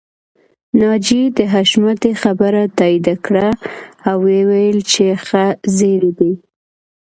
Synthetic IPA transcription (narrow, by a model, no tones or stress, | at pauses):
nɑd͡ʒid̪əɦaʃmat̪exabəɾat̪ɑid̪akɽaːwːewajəlt͡ʃexazeɾed̪i